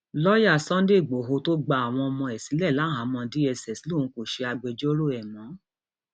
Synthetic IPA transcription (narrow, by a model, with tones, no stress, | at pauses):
lɔ˦ja˦˨sɔ̃˦n˦de˦˨ɡ͡bo˨ɦo˧˦to˦ɡ͡ba˧a˨w̃ɔ̃˧ɔ˧mɔ̃˧ɛ˨si˨˦lɛ˦˨la˨˦ɦã˨˦mɔ̃˧di˦ɛ˧˨sɛ˨si˨˦lo˦˨ũ˨˦ko˨ʃe˧˦a˧ɡ͡bɛ˧d͡ʒo˦ɾo˦˨ɛ˨mɔ̃˨˦